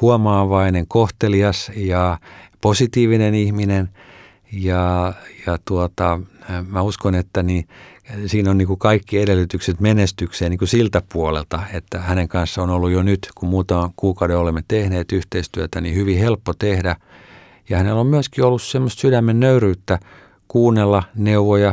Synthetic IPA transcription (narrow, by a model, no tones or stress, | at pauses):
huomɑːʋɑineŋkoht̪eliɑsjɑposit̪iːʋinenihminen | jɑjɑt̪uot̪ɑmæuskonet̪ːæni | siːnonniːŋkukɑikːieɾelːyt̪ykset̪menest̪ykseːniːŋkusilt̪æpuolḛlt̪ɑet̪ːæhæneŋkɑnsːɑonolːujonyt̪kummuːt̪ɑkuːkɑudeolemːet̪ehneːt̪yht̪eist̪yøt̪ænihyʋihelpːot̪ehdæ | jɑhænelommyøskiolːussemːost̪sydæmːennøyryːt̪ːæ | kuːnːelːɑneuʋojɑ